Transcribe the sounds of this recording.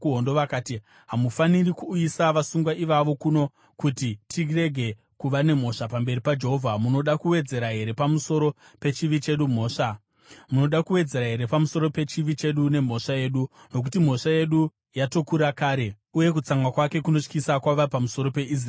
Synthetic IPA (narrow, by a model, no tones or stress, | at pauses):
uɦondoʋakaːti | ɦamufanirikuːjisaʋasuŋɡwaʔiʋaʋo̞kuno̞ | kutitʰire̞ɡʱe̞ | kuʋane̞m̤o̞ʂapambe̞ripad͡ʒe̞ɦovʱamuno̞ɗakuwe̞d͡ze̞ɾaɦe̞ɾe̞pamuso̞ɾo̞ | pe̞t͡ʃiʋit͡ʃe̞ɗum̤o̞ːʂa | muno̞ɗakuwe̞d͡ze̞ɾaɦe̞ɾe̞pamuso̞ɾo̞pe̞t͡ʃiʋit͡ʃe̞ɗune̞m̤o̞ʂaje̞ːɗu | no̞k̬utim̤o̞ʂaje̞ɗu | jato̞kuɾakaːɾe̞ | uje̞kut͡saŋwakwake̞kuno̞ʂkisakwaʋapamuso̞ɾo̞pe̞is̬r